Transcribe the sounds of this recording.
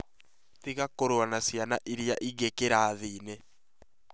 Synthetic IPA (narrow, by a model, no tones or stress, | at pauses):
tiɣakoɾowanasianaʔiɾiaʔiɣekeɾaːðinɛ